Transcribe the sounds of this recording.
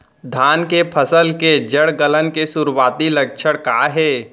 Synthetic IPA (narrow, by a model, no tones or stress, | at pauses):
d̪ʱaːnkepʰəsəlked͡ʒəɽɡələnkesʊɾwaːt̪ilək̚t͡ʃʰəɽkaːɦɛː